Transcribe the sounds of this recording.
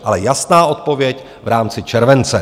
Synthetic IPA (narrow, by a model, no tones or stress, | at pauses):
ʔalɛjasnaːʔo̞t̪̚po̞vjɛc | vɾaːmt͡sɪt͡ʃɛɾvɛnt͡sɛ